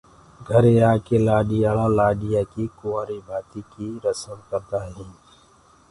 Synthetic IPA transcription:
ɡʱəɾeaːkelaːɖiaːlalaːɖijakikʊaːɾibʱaːt̪ikiɾəsəmkəɾt̪aːɦɛ̃ː

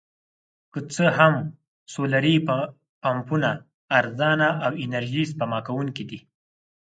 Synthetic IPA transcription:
kət͡səɦam | solaɾi | pampunaː | ɾzɑnaʔawɪnaɾʒispamɑkawuŋkid̪i

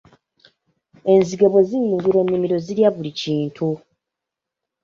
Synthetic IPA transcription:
e̞nziɡeβo̞ziɲːuŋɡuɾo̞nːimiɾo̞ziɾjaβuliciːntʰu

